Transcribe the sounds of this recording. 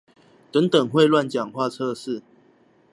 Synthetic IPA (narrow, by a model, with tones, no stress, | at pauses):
t̪ə˨˦ŋt̪ə˨˩ŋxwe˥˧ɪlwa˥˨nt͡ɕjɑ˨˩ŋxwa˥˧t͡sʰɤ˥˧ʂɻ̩˥˩˨